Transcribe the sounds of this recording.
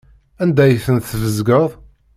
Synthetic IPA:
ænd̪æjθənθvəzɡəðˤ

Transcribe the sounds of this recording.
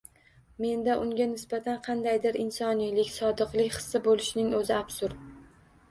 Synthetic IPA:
me̞nd̪aʔʊŋɡʲanɪsbat̪ʰanqʰɑnd̪ajd̪ɪɾɪnsɒnijlɪkʲsɒd̪ɨqlˠɪkʲχɨ̥sːabolˠɪʃnɪŋɵzɪabsʊɾ

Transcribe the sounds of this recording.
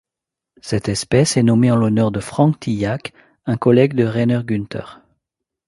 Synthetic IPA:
sɛt̪ɛspɛsɛnɔmeɑ̃lɔnœʁd̪əfχɑ̃kt̪ʰijak | ɛ̃kɔlɛɡd̪əʁɛnœʁɡynt̪ʰœ̰ʁ

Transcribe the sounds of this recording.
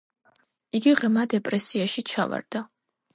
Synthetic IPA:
iɡiʁɾmad̪ɛpʼɾɛsiaʃit͡ʃʰa̰va̰ɾd̪̥a

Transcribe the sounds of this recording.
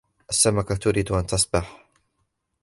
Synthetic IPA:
ʔasːamakat̪ʊɾiːd̪ʔant̪ɑsˤbɪħ

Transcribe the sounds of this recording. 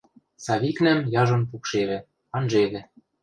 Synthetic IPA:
sɑβiknæ̆mjɑʒɤ̆npukʃeβɘ̆ | ɑnʒeβɘ̆

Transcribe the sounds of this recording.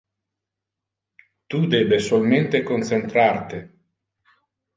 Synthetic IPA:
t̪ud̪ɛːbesolment̪ekont͡ʃent̪ɾart̪e

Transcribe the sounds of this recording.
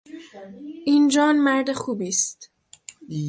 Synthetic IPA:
ʔiːnd͡ʒɒːnmæɾd̪exuːbiːst̪

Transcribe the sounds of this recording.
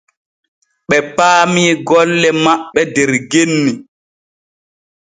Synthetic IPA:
ɓɛpaːmiːɡɔlːɛmaɓːɛdɛɾɡenːi

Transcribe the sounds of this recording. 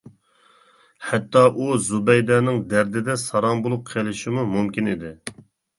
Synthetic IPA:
hɛt̪ːɑʔuzubɛjd̪ɑnɪŋd̪æɾd̪ɪd̪ɛsɑɾɑmbolˠup̚qʰelˠɪʃɪmumumkʲinid̪ɪ

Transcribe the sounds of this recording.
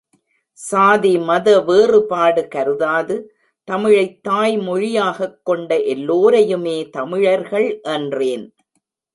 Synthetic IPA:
saːðimɐðɐʋeːrɯpaːɽɯkɐɾɯðaːðɯ | t̪ɐmɪɻɐɪt̪ːaːjmɔɻɪjaːɣɐkːɔɳɖɐʔɛlːoːɾɐjɯmeːt̪ɐmɪɻɐɾɣɐɭʔɛndreːn

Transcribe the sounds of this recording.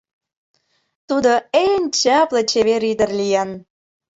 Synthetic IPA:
t̪ud̪oenʲt͡ɕɑplɤ̆t͡ɕeβeɾid̪ə̆rlijɑn

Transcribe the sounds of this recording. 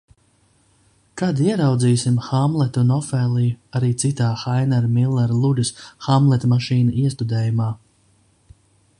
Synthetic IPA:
kad̪iɛɾawd̪ziːsimxamlˠɛt̪unɔfɛːlˠijuaɾiːt̪sit̪aːxajnɛɾmilˠːɛɾlˠud̪ʲɨsxamblˠɛt̪maʃiːnɐiɛst̪ud̪ɛːjumaː

